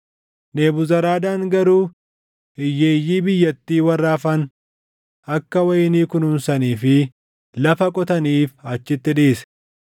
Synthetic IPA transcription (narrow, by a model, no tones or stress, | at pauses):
ne̞ːbʊzɐɾaːd̪aːŋɡɐɾuː | ɪjːeːjːiːbɪjːɐt̪ːiːwɐrːaːfɐn | ɐkːɐwɐjɪniːkʊnʊmsɐniːfɪ | lɐfɐkʼɔt̪ɐniːfɐt͡ʃːɪt̪ːɪᶑiːsɛ̥